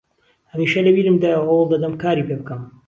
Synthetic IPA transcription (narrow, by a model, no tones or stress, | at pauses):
hɐmiːʃɐlɐwiːɾɨmd̪aːjawʔɐwlˠd̪ɐd̪ɐmkaːɾiːpeːbɨkɐm